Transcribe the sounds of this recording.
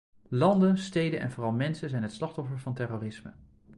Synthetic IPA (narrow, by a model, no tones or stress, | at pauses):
lɑndənstejdənʔɛ̰nvoːrɑlˠmɛnsəzɛjnɦətslɑχtɔfəɹvɑntɛroːrɪsmə̰